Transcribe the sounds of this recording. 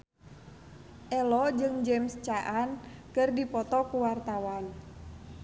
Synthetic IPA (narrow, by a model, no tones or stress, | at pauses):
ʔɛlɔd͡ʒɨŋd͡ʒɛmst͡ʃaʔankɨrdipɔt̪ɔkuwart̪awan